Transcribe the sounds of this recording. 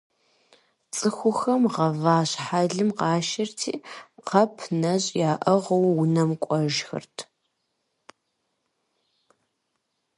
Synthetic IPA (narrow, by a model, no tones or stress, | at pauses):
t͡sʼɨxʷʊxɐmʁɐvaːɕħaɮɨmqɑːʃɐrtʰḭːqʰɐpʰnɐɕʼjaːʔɐʁɐwːʊnɐmkʷʼɔʒxɨ̰rtʰ